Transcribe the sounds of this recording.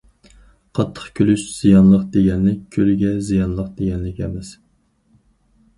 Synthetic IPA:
qʰɑt̪ʰːə̥χkʲʰølyʃz̥ijɑnlˠəqd̪eɡʲɛnlɪk̚ʲkʲʰølɪɡʲɛzijɑnlˠəq̚d̪eɡʲɛnlɪkʲɛmɪz̥

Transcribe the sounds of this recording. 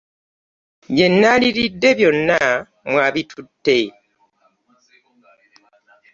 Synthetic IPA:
βje̞nːaliɾidːe̞βjo̞nːa | mwaːβitʰutːe̞

